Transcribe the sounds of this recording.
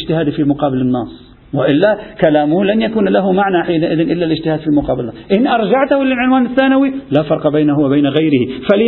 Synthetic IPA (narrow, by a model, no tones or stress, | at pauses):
d͡ʒt̪ɪhaːd̪fimʊqɑːbɪlɪnːɑːsˤ | wɪʔɪlːakalaːmʊhlanjakuːnlaɦʊmaʕnaħiːnaʔɪðɪnʔɪlːalɪd͡ʒt̪ɪhaːd̪fimʊqɑːbɪlɪnːɑsʔɪnʔɑɾˤd͡ʒaʕt̪ʊhʊlɪlʕɪnwaːnɪθːaːnawilaːfɑɾˤqɑbajnahʊwabajnaɣajɾɪhifal